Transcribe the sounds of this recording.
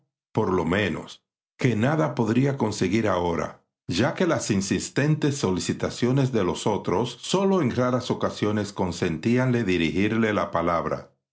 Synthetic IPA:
po̞ɾlo̞mẽ̞no̞̰s | ke̞naðapo̞ðɾiako̞nse̞ɣiɾaoɾa̰ | ʝake̞lasinsist̪e̞nt̪e̞sːo̞lisit̪asjo̞ne̞zðe̞lo̞so̞t̪ɾo̞sːo̞lo̞eŋraɾaso̞kasjone̞sko̞nse̞nt̪ianle̞ðiɾihiɾle̞lapalaβɾa̰

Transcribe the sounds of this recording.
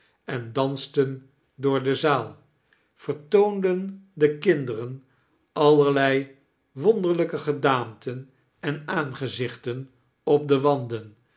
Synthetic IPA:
ɛndɑnstən | dʊːɹdəzaːlˠ | fəɹtowndəndəkɪndərən | ɑlˠəɹlɛj | ʋɔndəɹləkəχədaːmtən | ɛnaːnχəzɪχtən | ɔp̚dəʋɑndən

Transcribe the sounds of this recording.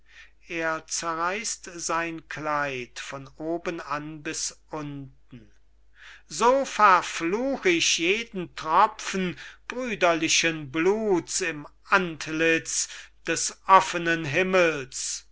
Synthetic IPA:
ʔeːɐt͡sɛɐʁaɪstz̥aɪnkʰlaɪtfɔnoːbənanbɪsʔʊnt̚ | n̩ | zoːfɛɐfluːxəɪʃjeːdn̩tʁ̥ɔfn̩b̥ʁyːdɐlɪʃənbluːsɪmʔantlɪt͡sd̥ɛsʔɔfənənɦɪməls

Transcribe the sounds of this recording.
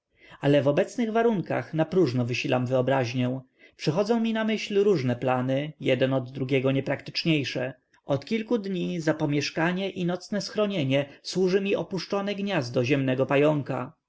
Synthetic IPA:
alɛvɔbɛt̪snɘɣvaɾuŋka̰xnapɾuʐnɔvɘɕilamvɘɔbɾaʑɲɛw̃ | pʂɛxɔd̪zɔ̃w̃mʲinamɘɕlɾuʐnɛplanɘjɛd̪ɛnɔd̪ːɾuɡʲɛɡɔɲɛpɾakt̪ɘ̥t͡ʂɲejʂɛ | ʔɔt̪kʲilkud̪ɲizapɔmʲjɛʂkaɲɛʔinɔt̪snɛsxɾɔɲeɲɛswuʐɘmʲiɔpuʂt͡ʂɔnɛɡɲazd̪ɔʑɛmnɛɡɔpajɔŋka̰

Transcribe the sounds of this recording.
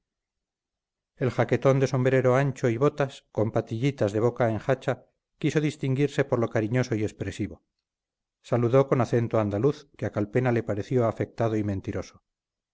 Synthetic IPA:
e̞lxake̞t̪o̞nd̪e̞so̞mbɾe̞ɾo̞ant͡ʃo̞iβo̞t̪asko̞mpat̪iʎit̪azðe̞βo̞kaeŋxat͡ʃa | kiso̞ðist̪iŋɡiɾse̞poɾlo̞kaɾiɲo̞so̞ie̞spɾe̞siβo | saluðo̞ko̞naθe̞nt̪oand̪aluθkeakalpe̞nale̞paɾe̞θjo̞afe̞k̚t̪aðoimẽ̞nt̪iɾo̞so̥

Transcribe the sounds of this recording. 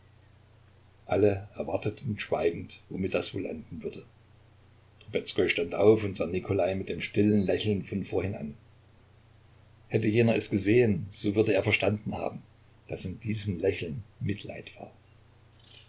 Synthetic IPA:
ʔaləʔɛɐvaɐtətʰn̩ʃv̥aɪɡŋ̩tvomɪtd̥ɛsv̥oːlʔa̰ndn̩vʏɐdə | d̥obɛt͡skɔʏʃtantʔaʊfʊntz̥aːnikʰolaɪmɪt̚d̥eːmʃtɪlənlɛçl̩nfɔnfoːɐhɪna̰n | hɛtəjeːnɐɛsɡ̥əzeːənz̥oːvʏɐdəeːɐfɛɐʃtandn̩ha̰ːbm̩ | d̥asɪndiːzəm̩lɛçl̩nmɪtʰla̰ɪtv̥a̰ːɐ

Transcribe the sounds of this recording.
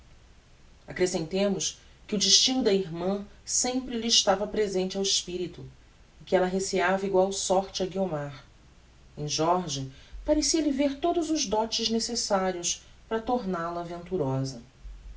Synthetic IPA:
akɾesẽnt̪ẽmʊs | kɪʊd͡ʒɪʃt͡ʃinʊd̪ɐiɾmɐ̃sẽmpɾɪlɪːʃt̪avɐpɾezẽnt͡ʃɪawɪʃpiɾit̪ʊ | ɪkɪɛlɐɦeseavɐiɡwawsɔɾt͡ʃɪɐɡiomaɾ | ẽj̃ʒɔɾʒɐpaɾesiɐlɪveɾt̪od̪ʊzʊzd̪ɔt͡ʃɪznesesaɾiʊs | pɾɐt̪oɾnalɐvẽnt̪uɾɔzɐ

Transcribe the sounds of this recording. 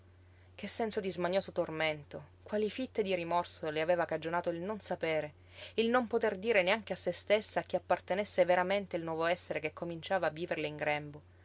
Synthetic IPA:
k̟esːɛnsod̪izmaɲoːsot̪orment̪o | kwaːlifit̪ːed̪iɾimɔrsoleaveːvakad͡ʒonaːt̪oilnonsapeːɾe | ilnompot̪erd̪iːɾeneaŋk̟easːest̪esːaːk̟ːeapːart̪enesːeveɾament̪eilnwɔːvoɛsːeɾekekʰːomint͡ʃaːvaːvːiːverleiŋɡɾɛmbo

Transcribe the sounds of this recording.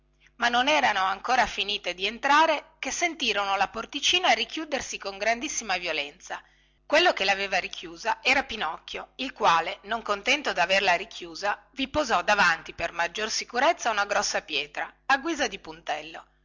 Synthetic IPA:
manːonɛːɾanoaŋkoːɾafiniːt̪ed̪ient̪ɾaːɾekesːent̪iːɾonolaport̪it͡ʃiːnaɾik̟juːd̪ersikoŋɡɾand̪isːimavjolɛnt̪sa | kwelːokelaveːvaɾikʰjuːzaʔɛːɾapinɔkːjoilkwaːlenoŋkont̪ɛnt̪od̪averlaɾikʰjuːza | vipozɔd̪avant̪ipermad͡ʒːorsikuɾet̪sːaunaɡɾɔsːapjɛːt̪ɾaaɡwiːzad̪ipunt̪ɛlːo

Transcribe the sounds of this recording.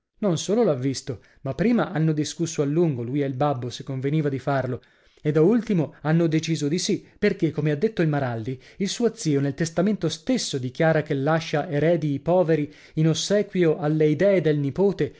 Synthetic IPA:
nonsoːlolavːist̪o | mapːɾiːmaʔanːod̪iskusːoalːuŋɡolujelbabːosekːoɱveniːvad̪ifarlo | ed̪ault̪imoanːod̪et͡ʃiːzod̪isiperk̟ekːomead̪ːet̪ːoilmaɾald̪iilsuːot̪siːonelt̪est̪ament̪ost̪esːod̪ik̟jaːɾak̟elːaʃːaʔeɾɛːd̪iːpɔːveɾi | inosːɛːkwioʔalːeid̪ɛːed̪elnipoːt̪e

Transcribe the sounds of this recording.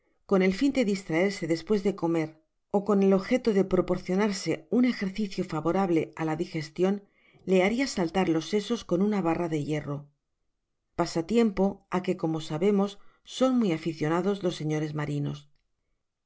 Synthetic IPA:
ko̞ne̞lfind̪e̞ðist̪ɾae̞ɾse̞ðe̞spwe̞zðe̞ko̞me̞ɾ | o̞ko̞ne̞lo̞βxe̞t̪o̞ðe̞pɾo̞po̞ɾθjo̞naɾse̞une̞xe̞ɾθiθjo̞faβo̞ɾaβle̞alaðixe̞st̪jo̞n | le̞aɾiasalt̪aɾlo̞sːe̞so̞sko̞nunaβ̞araðe̞je̞ro̞ | pasat̪je̞mpo̞ake̞ko̞mo̞saβe̞mo̞sːo̞nmwijafiθjo̞naðo̞zlo̞sːe̞ɲo̞ɾe̞zmaɾino̞̰s

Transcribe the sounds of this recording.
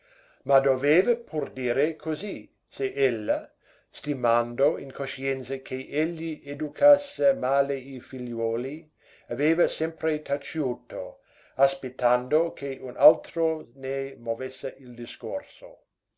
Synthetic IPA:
mad̪oveːvɐpʰurd̪iːɾekʰozi | seʔelːa | st̪imand̪oinkʰoʃiɛnt̪sɐkʰeʔeʎːied̪ukʰasːemaːleifiʎɔːli | aveːvɐsɛmpɾet̪ʰat͡ʃuːt̪o | aspet̪ːand̪okʰeʔunʔalt̪ɾonemovesːɪild̪iskorso̰

